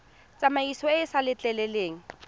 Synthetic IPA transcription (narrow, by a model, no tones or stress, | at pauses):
t͡sʼamaisɔɪsalɪt͡ɬʼɛlɛleːŋ̩